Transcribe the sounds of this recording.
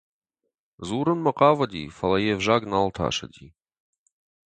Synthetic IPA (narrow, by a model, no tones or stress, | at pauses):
zuːɾənmɐqɑːvɐd̪ʲḭfɐlˠɐjevʒaːɡnalˠt̪ʰa̰ːʃɐ̰d̪ʲi